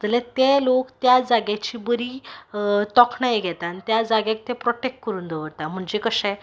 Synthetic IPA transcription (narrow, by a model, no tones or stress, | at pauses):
t̪əlɛ̃t̪elokt̪jad͡zaɡjat͡ɕiːbəɾi | t̪ɔkʰnajeɡʱɛt̪anit̪jad͡zaɡjak̚t̪epɾɔʈek̚ʈkəɾuːnd̪ʱəʋəɾt̪am̤əɳd͡ʑekəɕɛ̃